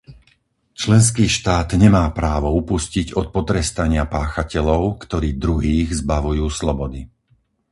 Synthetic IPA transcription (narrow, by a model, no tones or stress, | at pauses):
t͡ʃlɛns̬kiːʃt̪aːd̪ɲɛmaːpɾaːʋɔupusciɟɔt̪̚pɔt̪ɾɛst̪aɲɪapaːxacɛʎɔʊkt̪ɔɾiːd̪ɾuɦiːɣzbaʋujuːslɔbɔd̪i